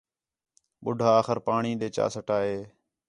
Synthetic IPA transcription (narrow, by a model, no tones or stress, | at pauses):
ɓʊɖʱaːxəɾpaːɳiːɗ̪eːt͡ʃa̰ːsəʈaːɦeː